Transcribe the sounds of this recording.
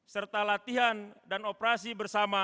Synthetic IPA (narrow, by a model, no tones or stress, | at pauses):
sərt̪alat̪iɦandanopɾasibərsama